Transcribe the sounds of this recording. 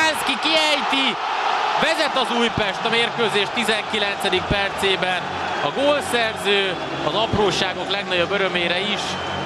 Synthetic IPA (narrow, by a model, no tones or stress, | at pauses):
aːskikiɛjt̪i | vɛzɛt̪ɒzuːjpɛʃt̪ɒmeːrkøːzeːʃt̪ːizɛŋkilɛnt̪sɛd̪ik̚pɛrt̪seːbɛn | ɒɡoːlsɛrzøː | ɒzɒproːʃaːɡo̞klɛɡnɒɟobøɾømeːɾɛiʃ